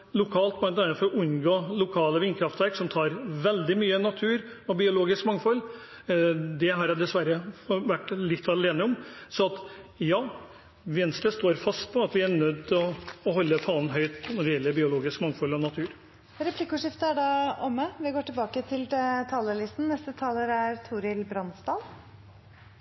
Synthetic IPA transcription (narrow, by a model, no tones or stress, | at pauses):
lʊkʰɑːlt̪̚b̪ɑɛnt̪ɑnəfɔɾɔʔʉnɡoːlʊkʰɑːləʋiːnkʰɾɑft̪ʋæɾksɔmt̪ʰɑːɾʋɛld̪ɪmyːənɑt̪ʰʉːɾɔbɪʊloːɡɪskmɑŋfɔlː | d̪ɛɦɑɾjæd̪ɛsʋæɾəʋæʈːlɪt̪ːɑleːnəɔmsɔɑt̪jɑː | ʋɛnsləst̪oːɾfɑst̪̚pʰɔɑt̪ʋɪæɾɳœd̪ːɔːɦɔlːəfɑːnɦœʏt̪nɔɖɛjɛlːəɾbɪʊloːɡɪskmɑŋfɔlːɔnɑt̪ʰʉːɾ | ɾɛpʰlɪkːʊːʂɪft̪əæɖɑɔmːəʋɪɡoːʈɪlbɑːkət̪ʰɪlt̪ʰɑːləlɪst̪n̩nɛst̪ət̪ʰɑːləɾæɾt̪ʰuːɾɪlbɾɑnsd̪ɑːl